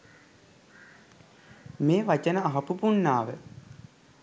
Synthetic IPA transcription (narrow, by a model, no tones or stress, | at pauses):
meːʋat͡ʃənəaɦɐpupunːaːʋə